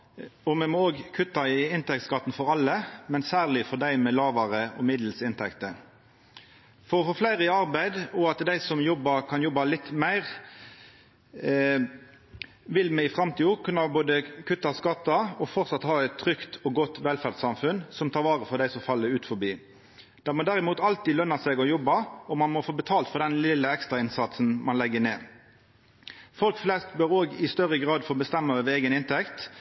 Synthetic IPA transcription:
ɔmɛmɔoːɡkʰʉt̪ːɑɪɪnt̪ɛk̚t̪skɑt̪ːn̩fɔɾɑlːəmɛnsæːʁlɪfɔd̪æɪmɛlɑːʋɑɾəɔmɪd̪l̩sɪnt̪ʰɛkt̪ə | fɔɾɔfoːflæɪɾəɪɑɾbæɪd̪ɔɑt̪d̪æɪsɔmjɔbɑɾkʰɑnjɔbːɑlɪt̪ːmæɪʁ | ʋɪlmɛɪfɾɑmt̪ʰiːoːkʰʉnːɑboːd̪əkʰʉt̪ːɑskɑt̪ːɑɔfɔʁt̪sɑt̪hɑːɛt̪ʰːɾʏkt̪ʰɔɡɔt̪ːʋɛlfæʁd̪sɑmfʉnsɔmt̪ʰɑːʁʋɑːʁəfɔʁd̪æɪsɔmfɑlːəɾʉːt̪fɔbiː | d̪̥ɛmɔd̪æʁɪmuːt̪ɑlt̪id̪lœnːɑsɛɡɔjɔbːɑɔmɑnmɔfoːbət̪ʰɑːlt̪fɔʁd̪ɛnlɪlːəɛkst̪ʁɑɪnsɑt̪snmɑnlɛɡːəneː | fɔlkflɛst̪bœɾoːɡɪst̪œʁːəɡʁɑːd̪foːbəst̪ɛmːɑɑʋeːɡənɪnt̪ʰɛkt̪

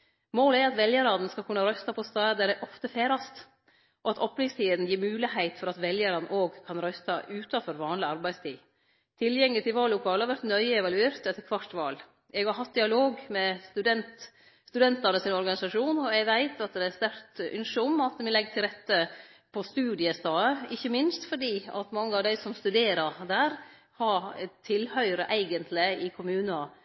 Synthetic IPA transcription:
moːləæɾɑt̪ʋɛljəɾɑd̪n̩skɑlkʰʉnːɑɾœst̪ɑpʰɔst̪ɑːd̪æɖæʔɔft̪əfeːɾɑst̪ | ʔɔɑt̪ʰɔpːlɪst̪ʰiːd̪n̩jiːɾmʉːlɪhæɪt̪fɔɾɑt̪ʋɛljəɾɑd̪n̩ʔoːɡkʰɑnɾœst̪ɑʔʉːt̪ɑfɔɾʋɑːnlɪɑɾbæɪst̪ʰiː | t̪ʰɪljɛŋlɪt̪ʰɪlʋɑːlːʊkʰɑːlɑɾʋæɾt̪nœʏəɛʋɑlʉeːɾt̪ɛt̪ːəɾkʰʋɑʈːʋɑːl | ɛɡhɑɾɦɑt̪̚d̪ɪɑloːɡmɛst̪ʉd̪ɛnt̪ | st̪ʉd̪ɛnt̪ɑnəsɪnɔɾɡɑnɪsɑʂuːnɔɛɡʋæɪt̪ʰɑt̪d̪ɛæst̪æɾt̪ʔʏ̰nʂəɔmɑt̪mɪlɛɡːt̪ʰɪlɾɛt̪ːəpʰɔst̪ʉːd̪ɪəst̪ɑːəɪçːəmɪnst̪fɔɖiːɑ̰t̪mɑŋːəɑʋd̪æɪsɔmst̪ʉd̪eːɾɑɾd̪æːɾ | hɑɾt̪ʰːɪlhœʏɾəʔæɪɡənt̪ʰlɪɪkʰʊmʉːnɑ

